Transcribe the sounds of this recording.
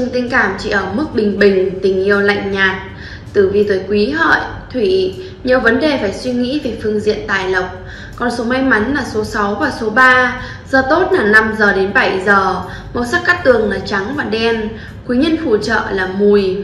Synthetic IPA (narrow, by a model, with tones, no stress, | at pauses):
t͡ɕɨ˧ŋt̪ï˧ŋkaː˧˩mt͡ɕḭ˧˨ʔəː˧˩mɨ˦˥k̚ɓï˨˩ŋ̟ɓï˨˩ŋ̟t̪ï˨˩ŋ̟ʔi˧əwla̰˧˨jŋ̟ɲaː˨˩t̚ | t̪ɨ˧˩vi˨˩t̪wəː˨˦jkwi˨˦ɦə̰ː˧˨j | t̪ʰwi˧˩˧ | ɲɛ˨˩wvə˨˦nɗe˨˩faː˧˩jswi˧ŋḭ˧˥ve˨˩fɨ˧əŋzḭ˧˨ənt̪a̰ː˧˨jlə˨˩k͡p̚ | kɔ˨˩nso˨˦ma˧jŋma˨˦nlaː˨˩so˨˦sa˨˦wvaː˨˩so˨˦ɓaː˧ | z̥əː˨˩t̪o˦˥t̚laː˨˩na˧mzəː˨˩ɗe˨˦nɓa˧˩jzəː˨˩ | mə˨˧˩wsa˦˥k̚ːa˦˥k̚t̪ɨ˨˩əŋlaː˨˩t͡ɕa˨˦ŋvaː˨˩ɗɛ˧n | kwi˨˦ɲə˧nfu˧˩t͡ɕə̰ː˧˨laː˨˩mu˧˩j